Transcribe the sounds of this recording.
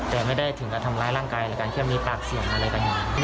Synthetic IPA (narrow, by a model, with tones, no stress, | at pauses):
t̪ɛː˨˩ma˥˩jda˥˩jt̪ʰɯ˩˦ŋkaː˧nt̪ʰa˧mlaː˦˥jɾaː˥˩ŋkaː˧jlɛː˧˩kaː˧nkʰi˥˩miː˧˥paː˨˩k̚si˨˩əŋʔa˧ɾa˧jka˧ji˨˩